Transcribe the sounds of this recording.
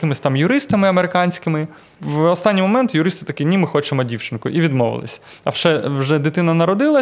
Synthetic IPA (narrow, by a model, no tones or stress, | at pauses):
kɪmɪsʲt̪ɑmjʊɾɪst̪ɐmɪɐmeɾɪkɑnʲsʲkɪmɪ | ʋɔst̪ɑnʲːimɔmɛnt̪jʊɾɪst̪ɪ̥t̪ɐkʲinʲimɪxɔt͡ʃemɔdʲiwt͡ʃɪnkʊʔiʋʲid̪mɔʋɪ̰lˠɪ̰sʲɐɐ̰wʃɛwʒɛd̪ɪt̪ɪnɐnɐɾɔd̪ɪlˠɐ